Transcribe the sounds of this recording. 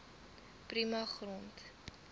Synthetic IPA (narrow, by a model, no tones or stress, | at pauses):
primɐχront